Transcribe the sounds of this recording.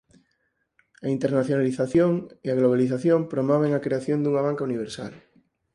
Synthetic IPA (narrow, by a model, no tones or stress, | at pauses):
aint̪eɾnaθjonaliθaθjoŋiaɣloβaliθaθjompɾomɔβ̞eŋakɾeaθjond̪uŋaβaŋkauniβ̞eɾsa̰l